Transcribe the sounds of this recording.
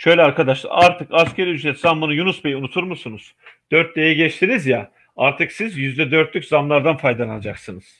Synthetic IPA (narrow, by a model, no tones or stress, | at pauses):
ʃøjlʲɛaɾkʰad̪aʃlˠa̰aɾt̪ʰɯkascʰeɾyd͡ʒɛt̪zambunujunusbe̞jiunut̪ʰuɾmusunuz̥d̪̥øɾt̪̚d̪ejɛɟɛt͡ʃt̪ʰinizja | aɾt̪ʰɯksizjyzd̪ɛd̪ø̞ɾt̪lʲycʲzamlˠaɾd̪anfajd̪anaad͡ʒaksɯnɯz̥